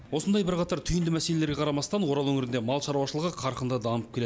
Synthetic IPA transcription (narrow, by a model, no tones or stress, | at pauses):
wo̞sənd̪ɑjbɪɾqɑt̪ɑɾt̪ʰʏjɪnd̪ɪmæse̞le̞leɾɡʲeqʰɑɾɑmɑst̪ɑnwo̞ɾɑlˠwɵŋɪɾɪnd̪e̞mɑlˠʃɑɾuwɑʃəlˠəʁəqʰɑɾqənd̪ɑd̪ɑməpkʲʰee